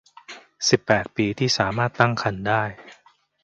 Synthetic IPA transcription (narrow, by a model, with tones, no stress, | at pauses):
si˨˩pːɛː˨˩t̪̚piː˧t̪ʰiː˥˩saː˩˦maː˥˩t̪ːa˥˩ŋkʰa˧ndaː˥˩j